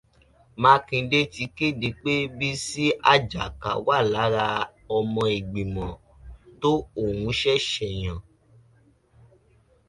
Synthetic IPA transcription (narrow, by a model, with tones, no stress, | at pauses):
mãː˧kĩ˧de˦ti˨˧˦ki˦˨de˧˦k͡pe˦bi˦si˦a˦˨d͡ʒa˨ka̰˨wa˦˨la˨˦ɾa˧ɔ˧mɔ̃˧e˨ɡ͡bi˨mɔ̃˨ | to˦o˦˨wũ˨˧˦ʃɛ˦˨ʃɛ˨j̃ã˨